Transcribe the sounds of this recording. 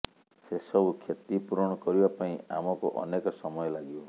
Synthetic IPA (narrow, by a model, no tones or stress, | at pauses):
sesɔbukʰjet̪ipuɾɔɽ̃ɔkɔɾibapaĩa̰mɔkuʔɔ̰nekɔsɔmɔjɔlaɡibɔ